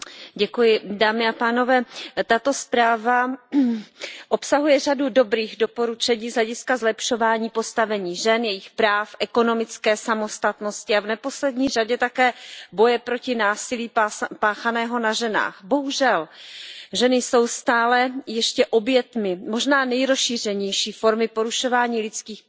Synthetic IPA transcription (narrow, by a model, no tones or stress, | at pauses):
ɟɛkujɪdaːmɪapaːno̞vɛːt̪at̪o̞spɾaːva | ʔopsaɦujɛr̝adudo̞bɾiːɣdo̞po̞ɾut͡ʃɛɲiːzɦlɛɟɪskazlɛpʃo̞vaːɲiːpo̞st̪avɛɲiːʒɛnjɛjɪxpɾaːfʔɛko̞no̞mɪt͡skɛːsamo̞st̪at̪no̞scɪavnɛpo̞slɛdɲiːr̝aɟɛt̪akɛːbo̞jɛpɾo̞cɪnaːsɪliːpaːxanɛːɦo̞naʒɛna̰ːxbo̞ɦuʒɛl | ʒɛnɪso̞wst̪aːlɛjɛʃcɛʔobjɛt̪mɪmo̞ʒnaːnɛjɾosʃiːr̝ɛɲɛjʃiːfo̞ɾmɪpo̞ɾuʃo̞vaːɲiːlɪt͡skiːx